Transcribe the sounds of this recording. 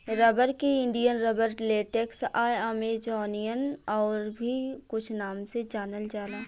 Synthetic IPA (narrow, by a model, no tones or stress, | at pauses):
ɾɐbəɾkiɪ̃nɖijənɾɐbəɾleːʈeːksaːjaːmed͡ʒɔːnijənɔːɾbʱikʊt͡ʃʰnaːmsed͡ʒaːnəld͡ʒaːlaː